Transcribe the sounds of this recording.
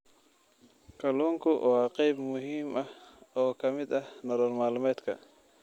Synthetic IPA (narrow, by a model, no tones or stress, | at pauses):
kʰɐluːŋkʰʊʔɑːqɛjbmʊɦiːmɐhɔːkʰɐmɪd̪ɐhnɐɾɔːrmaːlmɛːd̪kʰɐ̰